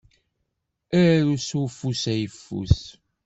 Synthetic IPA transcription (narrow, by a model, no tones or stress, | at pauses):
æɾɾusufusæjəfːṵs